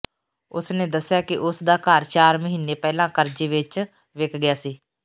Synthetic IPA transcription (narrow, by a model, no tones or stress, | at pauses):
ʊsneːd̪əsːɪjaːkɪʔʊsd̪aːkaːɾt͡ʃaːɾməɦiːnːeːpɛːlãːkəɾd͡ʒeːʋɪt͡ʃ | ʋɪkʰɡɪjaːsiː